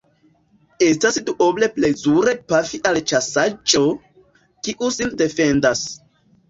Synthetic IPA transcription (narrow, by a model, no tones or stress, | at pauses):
e̞stasduʔoble̞plezuɾe̞pafiʔalt͡ʃasad͡ʒo̞ | kiʔusinde̞fe̞ndas